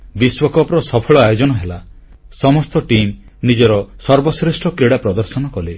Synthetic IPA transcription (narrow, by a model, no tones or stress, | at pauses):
biswɔkɔpɾɔsɔpʰɔɭɔajod͡ʒɔnɔɦela | sɔmɔst̪ɔʈim | nid͡ʒɔɾɔsɔɾbɔsɾesʈʰɔkɾiɽapɾɔd̪ɔɾsɔnɔkɔle